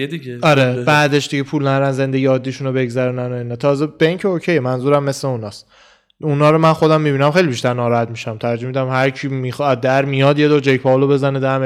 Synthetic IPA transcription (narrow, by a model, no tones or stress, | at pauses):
d̪ieɒɾebæːd̪eʃd̪iɟepʰuːlnæɾænze̞nd̪e̞ɡijɒːd̪ːiːʃunobe̞ɡzæɾunænoinɒt̪ʰɒːzebeiŋcʰeocʰejemænzuːɾæmːe̞sleunɒːs | unɒːɾomænxo̞d̪æmːibinæmχe̞jlibiʃt̪æɾnɒːɾɒhæt̪miʃæmt̪ʰæɾɾd͡ʒomid̪æmhæɾcʰiːmixɒd̪̚d̪æɾmijɒd̪jed̪oːɾd͡ʒejpʰɒolobe̞zæned̪æm